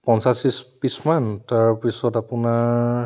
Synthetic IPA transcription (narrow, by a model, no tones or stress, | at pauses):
pɔnsasispismantaɹpisɔtapunaɹ